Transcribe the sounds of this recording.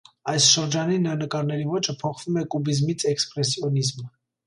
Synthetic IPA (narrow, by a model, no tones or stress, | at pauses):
ɑjsʃəɾd͡ʒɑninəɾɑnəkɑɾnɛɾivɔt͡ʃʰəpʰɔχv̥umɛkubizmit͡sʰɛkspɾɛsjɔnizmə